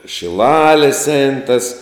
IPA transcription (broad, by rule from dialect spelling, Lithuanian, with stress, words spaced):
ʃʲɪˈlˠɑːlʲeːs ɛɪn tɐs